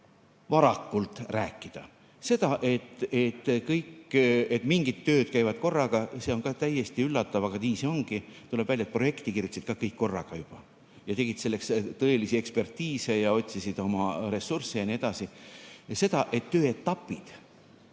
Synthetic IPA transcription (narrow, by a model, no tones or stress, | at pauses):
vɑɾɑkːult̪ˑræːkːˑid̪̥ɑ | se̞d̪̥ɑʔe̞t̪ːet̪ːkɤjkːet̪ˑmiŋɡit̪ːø̞ːt̪̚kæjvɑd̪̥̚ko̞rːɑɡ̥ɑse̞o̞ŋkɑt̪æje̞st̪iylːɑt̪ːˑɑvɑɡ̥ɑniːso̞ŋɡ̥it̪uleb̥vælje̞t̪̚pro̞jekt̪ikirjut̪ːsit̪kɑkɤjkːo̞rːɑ̰ɡ̥ɑjub̥ɑ | jɑt̪e̞ɡ̥it̪se̞lːe̞kst̪ɤ̞e̞lisie̞kspe̞rt̪iːse̞jɑo̞t̪ʲsisid̪̥o̞mɑɾe̞sːursːejɑnie̞d̪̥ɑsise̞d̪̥ɑʔe̞t̪ːø̞ːe̞t̪ːɑpːˑid̪̥